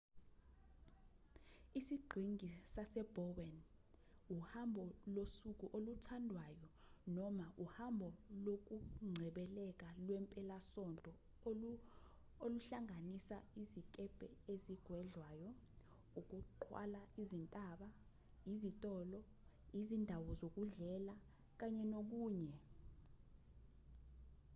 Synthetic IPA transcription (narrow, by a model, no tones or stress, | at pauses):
isiɡ͡ǃʱiŋisasɛb̥ʱɔwɛn | uhambʱɔlosuk̬ʼuʔolutʰandʱwajɔ | nɔmaʔuhambʱɔlok̬ʼuŋ͡ǀʱɛɓɛlɛk̬ʼalwɛmpʼɛlasɔntʼɔ | oluɬaŋanisaizikʼɛb̥ʱɛeziɡ̥ʱwɛɮwaːjɔ | uk̬ʼuǃʰwa̰laizintʼaːɓa | izitʼɔːlɔ | izindʱawɔzok̬uɮɛla | k̬aɲɛnok̬uːɲɛ